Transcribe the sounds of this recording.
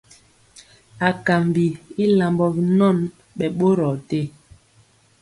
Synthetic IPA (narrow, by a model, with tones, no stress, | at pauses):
a˨ka˨mbi˨i˦la˨mbɔ˨bi˨nɔ˦˨n | ɓɛ˨ɓo˦ɾɔ˨te˦